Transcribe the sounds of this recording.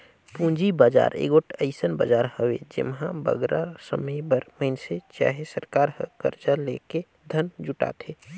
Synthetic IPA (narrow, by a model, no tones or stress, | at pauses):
pũd͡ʒibaːd͡ʒa̰ːɾḛɡoʈʰəɪsənba̰d͡ʒaɾhəwḛd͡ʒḛmɦãbə̰ɡɾasəməjbəɾməɪnset͡ʃa̰ːɦesəɾkaːɾɦəkə̰ɾt͡ʃaleke | d̪ʱənd͡ʒuʈa̰t̪ʰe